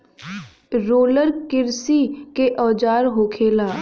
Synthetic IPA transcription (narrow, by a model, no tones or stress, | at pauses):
ɾoːləɾkɪɾsikeʔɔːd͡ʒaːɾɦoːkʰeːlaː